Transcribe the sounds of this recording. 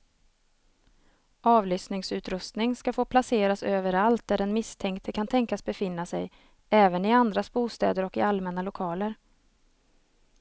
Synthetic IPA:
ʔɑːvlyːsnɪŋsʉ̟ːt̪ɾɵst̪nɪŋskafoːpʰlaseːɾasøːvəɾalt̪̚d̪æɖɛnmɪst̪ʰɛŋkt̪ʰəkʰant̪ʰɛŋkasbɛfɪn̪ːasɛj | ɛːvənɪand̪ɾasbuːst̪ɛːd̪əɾɔkɪalmɛnalʊkʰɑːləɾ

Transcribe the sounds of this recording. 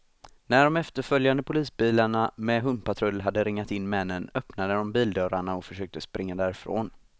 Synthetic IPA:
næɖɔmɛft̪əɾfœljand̪əpʰʊliːsbiːlaɳamɛɦɵmpat̪ʰɾɵlːɦad̪ːəɾɪŋːat̪ɪnːmɛnːənœpnad̪əd̪ɔmbiːld̪œɾaɳaɔfœʂøːk̚t̪əspɾɪŋːad̪æːɾɪfɾo̰ːn

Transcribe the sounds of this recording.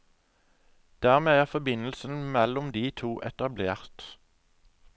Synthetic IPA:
d̪̥æːʁmeːæːʁfɔbɪnl̩sən̩mɛlʊmd̪iːt̪ʰuːʔɛt̪ɑbleːʁt̪

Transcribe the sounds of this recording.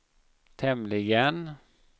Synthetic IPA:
t̪ʰɛmlɪɡən

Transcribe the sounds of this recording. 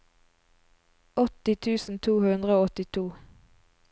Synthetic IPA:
ɔt̪ɪt̪ʰʉːsn̩t̪ʰuːhʉnd̪ʁəoːɔt̪ɪt̪ʰuː

